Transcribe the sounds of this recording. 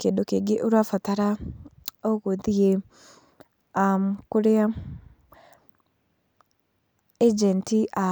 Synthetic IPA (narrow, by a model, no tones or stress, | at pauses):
kendokeɡeʔuɾwafataɾa | oɣoðie | amkoɾea | ed͡ʒɛntiʔa